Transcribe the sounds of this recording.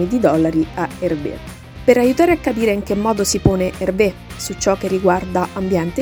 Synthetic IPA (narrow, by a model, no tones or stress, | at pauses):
nid̪id̪ɔlːaɾiaerbḛ | peɾajut̪aːɾeakːapiːɾeiŋk̟emːɔːd̪osipoːneʔerbe | sut͡ʃːɔk̟ːerːiɡward̪aʔambjɛnt̪e